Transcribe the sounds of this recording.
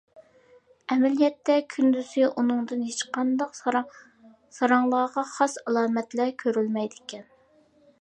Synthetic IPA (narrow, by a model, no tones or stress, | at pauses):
ɛmɛlijɛt̪ːɛkʲʰynd̪yzɪʔunɨŋd̪ɨnhet͡ʃqʰɑnd̪ɑq | sɑɾɑŋlˠɑːʁɑχɑsɑlˠɑːmɛt̪lɛkʲʰøɾylmɛjd̪ɪkʲʰɛn